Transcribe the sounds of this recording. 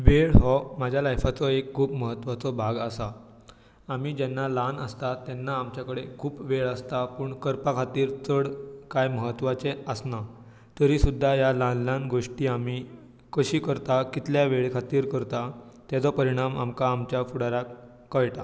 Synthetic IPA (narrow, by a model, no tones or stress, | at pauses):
ʋeɭɦɔmad͡ʑʱjalajfat͡sɔekkʰːuːbməɦət̪ːʋat͡sɔbʱaɡəsa | amiːd͡ʑɛnːalanəst̪at̪ːɛnːaːmt͡ɕjakəɽekʰuːpʋeɭəst̪apəːɳkəɾpakʰat̪iːɾt͡səɽkajməɦət̪ːʋat͡seəsna | t̪əɾisud̪ʱːajalanljãnɡoʂʈiːami | kəɕiːkəɾt̪akit̪ʰljaʋeɭkʰat̪iːɾkəɾt̪at̪ɛt͡sɔpəɾiɽ̃ama̰mkaːmt͡ɕjafuɽaɾa | kːəjʈa